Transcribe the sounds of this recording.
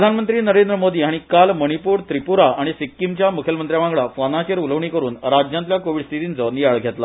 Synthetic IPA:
d̪ʱanmənt̪ɾiːnəɾend̪ɾəmod̪iːɦaɽ̃ikalməɽ̃ipuːɾt̪ɾipuɾaaɽ̃isikːimt͡ɕjamukʰjəlmənt̪ɾjaʋãŋɡɭafɔnat͡ɕeɾuləʋɳikəɾuːnɾad͡ʑjant̪ljakoʋiɽst̪ʰit̪int͡sɔnijaɭɡʱet̪la

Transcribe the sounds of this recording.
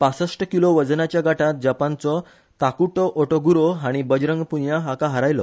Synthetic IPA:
pasəsʈəkiloʋəd͡znat͡ɕjaɡaʈat̪̚d͡ʑapant͡sɔ | t̪akuʈɔʔoʈoɡuɾoɦaɽ̃ibəd͡ʑɾə̃ŋɡpunjaɦakaɦaɾajlɔ

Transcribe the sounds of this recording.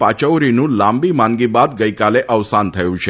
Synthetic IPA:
pat͡ɕəʋɾinũːlambiːmaŋɡibad̪̚ɡəjkaleʔəʋsant̪ʰəjũɕʰe

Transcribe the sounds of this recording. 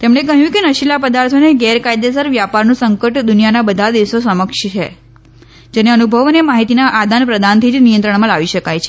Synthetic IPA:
t̪emɳ̃ekəɦjũkenəʃilapəd̪aɾt̪ʰoneɡɛɾkajd̪esəɾʋjapaɾnũsəŋkəʈd̪unijanabəd̪ʱad̪iʋsosəməkʃt͡ʃʰe | d͡ʒeneənubʱəʋənemaɦit̪inaʔad̪ʱanpɾəd̪ant̪ʰid͡ʒnijənt̪ɾəɳmãlaʋiʃəkajt͡ʃʰe̥

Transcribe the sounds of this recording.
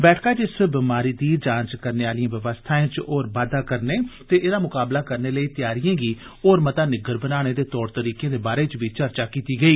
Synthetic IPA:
bɛːʈʰkaːd͡ʒɪsəbɪmaːɾiːd̪iːɾd͡ʒãːt͡ʃkəɾneːaːlijãːʋɪʋəst̪ʰaːẽːt͡ʃoːɾʋaːd̪aːkəɾneːt̪eːʔɪd̪aːmʊkaːblaːkəɾneːləiːt̪ɪjaːɾijãːɡiː | oːɾmət̪aːnɪɡəɾbənaːɽ̃eːd̪eːt̪ɔːɾt̪əɾiːkẽːd̪eːbaːɾeːt͡ʃʋiːt͡ʃəɾt͡ʃaːkiːt̪iːɡəiː

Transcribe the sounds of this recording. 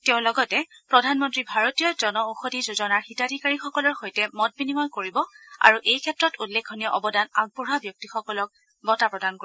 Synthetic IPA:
teʊ̃lɔɡɔtɛpɹɔdʱanmɔntɹibʱaɹotijɔzɔnɔoxodʱizozɔnaɹxitadʱikaɹixɔkɔlɔɹxojtɛmɔt̚binimɔjkoɹibɔa̰ɹuʔejkʰɛtɹɔtulːekʰːɔniɔʔɔbɔdanaɡ̚buɹabjɔk̚tixɔkɔlɔk̚ | bɔtapɹɔdanko

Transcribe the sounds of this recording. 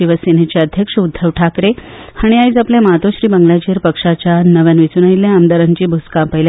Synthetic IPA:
iʋəsenet͡ɕeəd̪ʱjəkʂəud̪ʱːəʋʈʰakɾehaɽ̃iaiːt͡sapljaməɦat̪ʋoɕɾiːbəŋɡɭjat͡ɕeɾpəkʂat͡ɕjanəʋjanʋit͡suːnailːjaːmd̪aɾaɲt͡ɕiːbʱuskapəɦl

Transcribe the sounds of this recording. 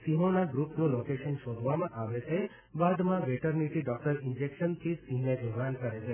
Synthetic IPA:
siɦõnaɡɾupnũlokeʃənʃod̪ʱʋamãʔaʋet͡ʃʰe | bad̪mãʋeʈəɾniʈiɖɔk̚ʈəɾɪnd͡ʒekʃənt̪ʰisiɦnebuʋankəɾet͡ʃʰe

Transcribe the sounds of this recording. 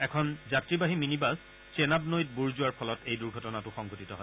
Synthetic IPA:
ɛkʰɔnzatɹibaɦiminibas | sɛnab̚nojt̚buɹzʊaɹpʰɔlɔtejduɹɡʱɔtɔnatʊxɔŋɡʱotitɔɦɔj

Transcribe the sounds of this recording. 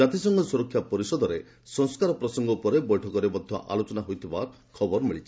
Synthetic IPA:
at̪isɔŋɡɔsuɾɔkʰːjapɔɾisɔd̪ɔɾe | sɔŋskaɾɔpɾɔsɔŋɡɔupɔɾebɔjʈʰɔkɔɾebɔd̪ʱjɔ̰ʔa̰lot͡ʃɔnaɦojt̪ʰibaɾ | kʰɔbɔɾmiɭit͡ʃʰi̥

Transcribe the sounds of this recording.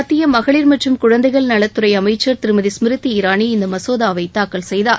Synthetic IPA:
ɐt̪ːɪjɐmɐɣɐɭiːɾmɐʈrɯmkʊɻɐnd̪ɐɪɣɐɭnɐɭɐt̪ːɯɾɐɪɐmɐɪt͡ʃːɐɾt̪ɪɾɯmɐðismɪɾɯt̪ːiɪɾaːniɪnd̪ɐmɐsoːðaːʋɐɪt̪aːkɐɭsɛjðaːɾ

